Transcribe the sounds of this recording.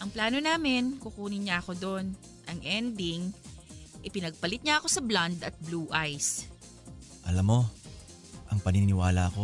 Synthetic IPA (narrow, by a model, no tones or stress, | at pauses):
ʔɐŋplaːno̞naːmɪnkʊkuːnɪɲaʔɐko̞d̪o̞n | ʔɐŋʔɛnd̪ɪŋ | ʔɪpɪnɐɡ̚pɐlɪt̪̚ɲaʔɐko̞sɐblɐnd̪ɐt̪̚bluːʔajs | ʔɐlamːo̞ | ʔɐŋpɐninɪwaːlɐʔɐko̞